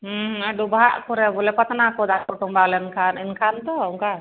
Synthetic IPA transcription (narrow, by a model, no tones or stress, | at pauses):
ɦɦaɖubʱaʔkɔɾɛbɔlɛpat̪nakɔd̪akuʈɔmbalɛnkʰaninkʰant̪ɔuŋka